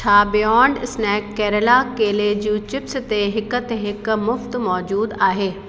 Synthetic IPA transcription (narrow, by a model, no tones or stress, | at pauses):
t͡ʃʰaːbɪjɔːɳɖɪsnɛːkːɛːɾəlakeːled͡ʑũːt͡ɕɪpst̪eɦɪkə̆t̪eɦɪkmʊft̪mɔːd͡ʑuːd̪aːɦeː